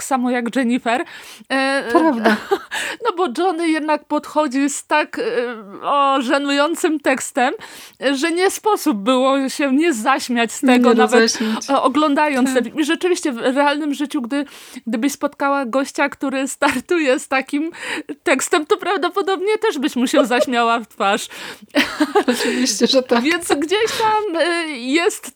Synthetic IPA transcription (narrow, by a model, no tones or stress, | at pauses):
ksamɔjaɡd͡ʐɛɲifɛɾ | avnɔbɔd͡ʐɔnɘjɛd̪nak̚pɔt̪xɔd͡ʑist̪ak | ɔʐanujɔnt̪sɘmt̪ɛkst̪ɛm | ʐɛɲɛspɔsub̚bɘwɔɕɛɲɛzaɕmʲjat͡ɕst̪ɛɡɔnavɛt̪ɔɡlɔnd̪ajɔnsɛvʲiiʐɛt͡ʂɘvʲiɕt͡ɕɛvɾɛalnɘmʐɘt͡ɕuɡd̪ɘɡd̪ɘbɘɕspɔt̪kawaɡɔɕt͡ɕakt̪uɾɘst̪aɾt̪ujɛst̪akʲimt̪ɛkst̪ɛmt̪ɔpɾavd̪ɔpɔd̪ɔbɲɛt̪ɛʐbɘɕmuɕɛzaɕmʲjawaft̪faʂ | ɨvʲiɕt͡ɕɛʐt̪avʲjɛnsɡd͡ʑeɕt̪amjɛst̪